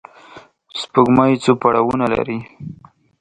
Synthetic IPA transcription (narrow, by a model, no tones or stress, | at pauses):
spəɡmajt͡sopaɽawunala̰ɾi